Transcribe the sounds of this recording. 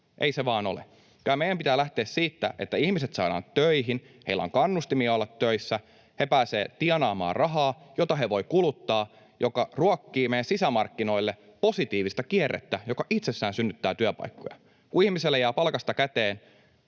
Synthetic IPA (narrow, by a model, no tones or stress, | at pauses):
ʔḛiseʋɑːno̞̰lḛ | kylæmejˑæmpit̪æːlæht̪e̞ːssiːt̪ːæ̰ʔe̞̰t̪ːæihmiset̪sɑiɾɑ̰ːnt̪tːøiɦin | heilːæ̰o̰ŋkɑnːust̪imiɑolːɑt̪ːøisːæ | hepæːseːt̪iɛnɑːmɑ̰ːrrɑɦɑːjot̪ɑɦe̞ʋo̞jkulut̪ːɑː | jo̞kɑruɑkːiːmejːænsisæmɑrkːino̞ilːe | po̞sit̪iːʋist̪ɑkierːḛt̪ːæjo̞kɑʔit̪sesːæːnsynːyt̪ːæːt̪yæpɑ̰jkːo̰jɑ̰ | kuihmiselːejæːpɑlkɑst̪ɑkæt̪eːn